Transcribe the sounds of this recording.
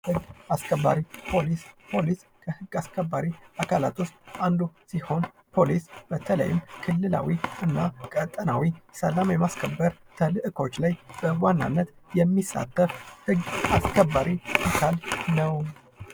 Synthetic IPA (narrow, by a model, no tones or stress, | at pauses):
hɨɡːaskʰəbːa̰ɾipʰo̞lispʰo̞lis | kʰəhɨɡːaskʰəbːaɾiakʰala̰t̪ʰost̪and̪usiho̞n | pʰo̞lisb̥ət̪ʰələ̰jɪmkʰɨlːɨla̰wiɨnːakʼət̪ʼːənawisəlamjɛmaskʰəbːəɾt̪ʰəlɨʔɨkʰo̞t͡ʃːlajb̥əwanːa̰nːət̪ | jɛmːisːa̰t̪ʰːəfhɨɡaskʰəbːaɾʔiakʰalnəw